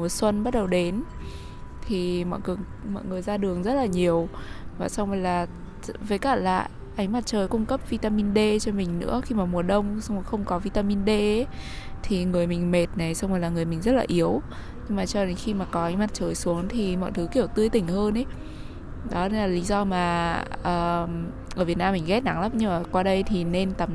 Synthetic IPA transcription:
mu˨˩əswə˧nɓa˦˥t̚ɗə˨˩wɗe˨˦n | t̪ʰi˨˩mɔ̰˧˨jkɨ˨˩əŋ | mɔ̰˧˨jŋɨ˨˩əjzaː˧ɗɨ˨˩əŋzə˦˥t̚laː˨˩ɲi˨˩əwvaː˨˩sa˧wŋ͡mvə˨˩jlaː˨˩ | ve˨˦jkaː˧˩la̰ː˨˧˨ | ʔa˨˦ŋ̟ma˨˩t̚t͡ɕəː˨˩jkʊ˧ŋ͡mkə˦˥p̚vi˧t̪aː˧mi˧nɗe˧t͡ɕɔ˧mï˨˩ŋ̟nɨ̰˧˥əxi˧maː˨˩mu˨˩əɗə˧wŋ͡msa˧wŋ͡mjxə˧wŋ͡mkɔ˨˦vi˧t̪aː˧mi˧nɗe˧ʔe˨˦t̪ʰi˨˩ŋɨ˨˩əjmï˨˩ŋ̟me˨˩t̚na˨˩jsa˧wŋ͡ma˨˩jlaː˨˩ŋɨ˨˩əjmï˨˩ŋzə˦˥t̚laː˨˩ʔi˨˦əw | ɲɨ˧ŋmaː˨˩t͡ɕɔ˧ɗe˨˦nxi˧maː˨˩kɔ˨˦ʔa˨˦jŋ̟ma˨˩t̚t͡ɕəː˨˩jsu˨˦əŋt̪ʰi˨˩mɔ̰˧˨jt̪ʰɨ˨˦ki˧˩əwt̪ɨ˧əjt̪ï˧˩ŋ̟həː˧nʔe˨˦ | ɗɔ˨˦ɗe˧nlaː˨˩li˨˦zɔ˧maː˨˩ʔəː˨˩ | ʔəː˧˩vət̚naː˧mːï˨˩ŋɣɛ˦˥t̚na˨˦ŋla˦˥p̚ɲɨ˧˨˩kwaː˧ɗə˧jt̪ʰi˨˩ne˧nt̪a˨˩m

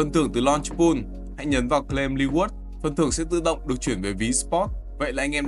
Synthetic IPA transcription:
ə˨˧˩nt̪ʰɨ˧˩əŋt̪ɨ˨˩lɔ˧nt͡ɕpu˧n | ha̰˧˥˨jɲə˨˦nvaː˨˩wkle˧mli˧wu˦˥t̚ | fə˧˩nt̪ʰɨ˧˩əŋsɛ̰˧˥t̪ɨ̰˧˨ɗə̰˧˨wŋ͡mɗɨ˨˩ək̚t͡ɕwi˧˩ənve˨˩vi˨˦spɔ˦˥t̚ | və̰˧˨jaː˨˩ʔa˧jŋ̟ʔɛ˧m

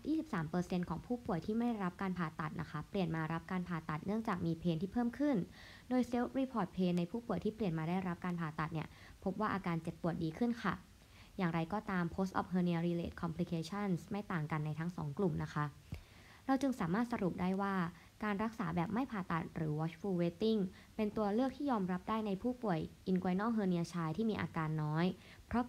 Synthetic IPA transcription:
jʔiː˥˩i˨˩p̚saː˩˦mpɤː˧se˧nkʰɔː˩˦ŋpʰuː˥˩pu˨˩əjt̪ʰiː˥˩ma˥˩jdjɾa˦˥p̚kaː˧npʰaː˨˩t̪ːa˨˩t̪̚nʔa˦˥kʰa˦˥pli˨˩ənmaː˧ɾa˦˥p̚kaː˧npʰaː˨˩t̪ːa˨˩t̪̚nɯ˥˩əŋt͡ɕaː˨˩k̚miː˧pʰeː˧nt̪ʰiː˥˩pʰɤː˥˩mkʰɯ˥˩n | doː˧jse˦˥wɾiː˧pʰɔː˨˩t̪̚pʰeː˧nːa˧jpʰuː˥˩pu˨˩əjt̪ʰiː˥˩pli˨˩ənmaː˧daː˥˩jɾa˦˥p̚kaː˧npʰaː˨˩t̪ːa˨˩t̪̚ni˦˥˩ə | pʰo˦˥p̚waː˥˩ʔaː˧kaː˧nt͡ɕe˨˩t̪̚pu˨˩ət̪̚diː˧kʰɯ˥˩nkʰa˥˩ | jaː˨˩ŋɾa˧jkɔː˥˩t̪aː˧mpʰoː˦˥st̪ʔɔ̰˨˩p̚ɦɤː˧ni˧əɾiː˧lḛː˦˩t̪̚kʰɔ˧mpʰli˧˥kʰeː˧˥t͡ɕʰa˥˩nsma˥˩jt̪aː˨˩ŋka˧nːa˧jt̪ʰa˦˥ŋsɔ̰ː˩˦ŋklu˨˩mna˦˥kʰa˦˥ | ɾa˧wt͡ɕɯ˧ŋsaː˩˦maː˥˩t̪̚sa˧ɾu˨˩p̚daː˥˩jwaː˥˩ | kaː˧nɾa˦˥k̚saː˩˦bɛː˨˩p̚ma˥˩jpʰaː˨˩t̪a˨˩t̪̚ɾɯː˩˦wɔ˦˥t͡ɕfʰuː˧weː˦˥t̪i˥˩ŋ | pe˧nt̪u˧ɐlɯ˥ək̚t̪ʰiː˥˩jɔː˧mɾa˦˥p̚daː˥˩jna˧jpʰuː˥˩pu˨˩əjʔi˧nkwa˧jnɔː˥˩ɦɤː˧ni˧ɐt͡ɕʰaː˧jt̪ʰiː˥˩miː˧ʔaː˧kaː˧nːɔː˦˥j | pʰɾɔ˦˥

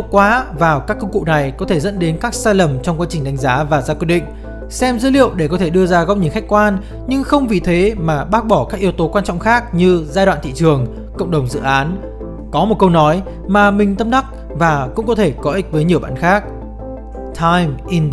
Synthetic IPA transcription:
kwaː˨˦vaː˨˩wkaː˦˥kːə˧wŋ͡mkṵ˧˨na˨˩jkɔ˨˦t̪ʰe˧˩zə̰˧˥nɗe˨˦nkaː˦˥k̚saː˧jlə˨˩mt͡ɕɔ˧wŋ͡mkwaː˧t͡ɕï˨˩ŋ̟ɗa˨˦ŋ̟zaː˨˦vaː˨˩zaː˧kwi˦əɗḭ˧˨ŋ̟ | sɛ˧mzəː˨˦lḭ˧˨əwɗe˧˩kɔ˨˦t̪ʰe˧˩ɗɨ˧əzaː˧ɣɔ˦˥p̚ɲɨ̰˧˥˦ŋxa˦˥k̟̚kwaː˧n | ɲɨ˧ŋxə˧wŋ͡mvḭ˧˨t̪ʰe˨˦maː˨˩ɓaː˦˥k̚ɓɔ˧˩kaː˦˥k̚ʔi˧əwt̪o˨˦kwaː˧nt͡ɕɔ̰˧˨ŋ͡mxaː˦˥k̚ɲɨ˧zaː˧jɗwa̰ː˧˨nt̪ḭ˧˨t͡ɕɨ˨˩əŋ | kə̰˧˨wŋ͡mɗə˨˩wŋ͡mzɨ̰˧˨ʔaː˨˦n | kɔ˨˦mo˨˩t̚kə˧wnɔ˨˦j | maː˨˩mï˨˩ŋ̟t̪ə˧mɗa˦˥k̚ | vaː˨˩kʊ̰˧˥ŋ͡mkɔ˨˦t̪ʰe˧˩kɔ˨˦ʔï˦˥k̟̚vəː˨˦jɲi˨˩əwɓa̰ː˧˨nxaː˦˥k̚ | t̪ʰa˧jmʔi˧n

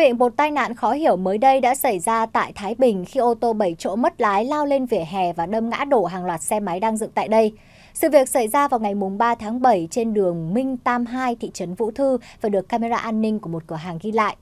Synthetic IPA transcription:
ḭ˧˨ənɓo˨˩t̚t̪aː˧jna̰ː˧˨nxɔ˨˦hi˧˩əwməː˨˦jɗə˧jɗa̰ː˧˥sa˧˩jzaː˧t̪a̰ː˧˨jt̪ʰaː˨˦jɓï˨˩ŋ̟xi˧ʔo˧t̪o˧ɓə˧˩jt͡ɕo̰˧˥mə˦˥t̚laː˨˦jlaː˧wle˧nvi˨˩əɦɛ˨˩vaː˨˩ɗə˧mŋa̰ː˧˥ɗo˧˩ɦaː˨˩ŋlwaː˨˩t̚sɛ˧ma˨˦jɗaː˧ŋzɨ̰˧˨ŋt̪a̰ː˧˨jɗə˧j | sɨ̰˧˨vi˨˩ək̚sa˧˩jzaː˧vaː˨˩wŋa˨˩jmʊ˨˩ŋ͡mɓaː˧t̪ʰaː˨˦ŋɓə˧˩jt͡ɕe˧nɗɨ˨˩əŋmï˧ŋ̟t̪aː˧mɦaː˧jt̪ʰḭ˧˨t͡ɕə˨˦nvṵ˧˥t̪ʰɨ˧vaː˨˩ɗɨ˨˩əkːaː˧me˧zaː˧ʔaː˧nːï˧ŋ̟ku˧˩əmo˨˩t̚kɨ˧˩əɦaː˨˩ŋɣi˧la̰ː˧˨jʔ

